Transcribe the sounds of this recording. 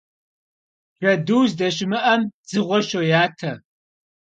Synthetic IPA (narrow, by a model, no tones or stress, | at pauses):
r̥ɐduːzdɐɕ̬ɪmɨʔɐmd͡zɨʁʷɔʃojaːtʰɐ